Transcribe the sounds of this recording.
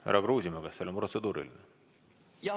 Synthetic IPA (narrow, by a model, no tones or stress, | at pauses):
hæ̰ɾɑkruːsʲimæɡɑselonprotsed̪uːɾḭline